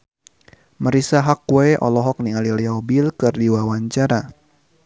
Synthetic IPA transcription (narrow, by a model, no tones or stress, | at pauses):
məɾisaɦakwɛʔɔ̰lɔɦɔk̚niŋaliliaubilkɨrdiwawaɲt͡ʃaɾa